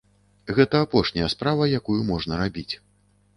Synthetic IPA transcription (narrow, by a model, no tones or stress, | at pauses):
ɣɛt̪ɐːpɔʂnʲɐjɐspɾavɐjakujumɔʐnɐɾabʲit͡sʲ